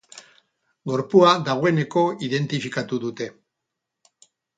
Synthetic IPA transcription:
ɡo̞ɾpuaðaɣoe̞ne̞ko̞iðe̞nt̪ifikat̪uðut̪e̞

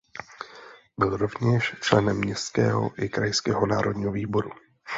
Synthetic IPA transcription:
bɪlɾo̞vɲɛʃt͡ʃlɛnɛmːɲɛskɛ̰ːɦo̞̰ʔɪkɾajskɛːɦonaːɾodɲiːɦoviːbo̞ɾu

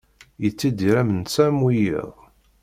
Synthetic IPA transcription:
jət͡sːid̪iɾæmənsæmwijḭʁ

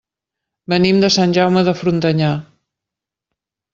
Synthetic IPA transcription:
bənimd̪əsanʲʒawməðəfɾunt̪əɲa

